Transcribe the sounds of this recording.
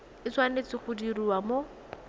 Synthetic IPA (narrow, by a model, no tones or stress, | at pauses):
ɪt͡swanet͡sɪχʊdiriwamo